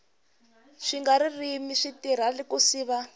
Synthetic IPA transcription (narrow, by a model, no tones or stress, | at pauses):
ʂiŋɡaɾirimiʂitiɾ̤alikusiːβa